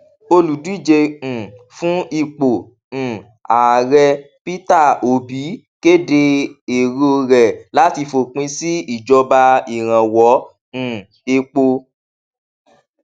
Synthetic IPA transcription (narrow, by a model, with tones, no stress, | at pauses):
o˧lu˨du˨˦i˦˨d͡ʒẽ˧˨ | fũ˦i˦˨k͡põ˨ | a˨ɾɛ˧ | pi˦ta˦˨o˨bi˨˦ | ke˦de˧e˨ɾi˦o˧ɾɛ˨la˨˦ti˧fo˨k͡pĩ˧˦si˦i˦˨d͡ʒɔ˧ba˧i˨ɾ̃ã˨wɔ̃˨˦˨ | e˧k͡po˧